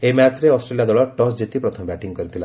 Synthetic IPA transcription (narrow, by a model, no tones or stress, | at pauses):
emat͡ʃɾeɔsʈɾelijad̪ɔɭɔʈɔsd͡ʒet̪ipɾɔt̪ʰɔmbjɛʈiŋɡ̚kɔɾit̪ʰila